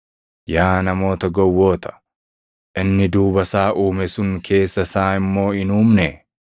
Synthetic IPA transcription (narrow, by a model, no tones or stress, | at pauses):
jaːnɐmo̞ːt̪ɐɡɔwːo̞ːt̪ɐ̥ | ʔɪnːɪd̪uːbɐsaːʔuːmɛsʊŋkʰe̞ːsːɐsaːɪmːo̞ːɪnuːmnɛ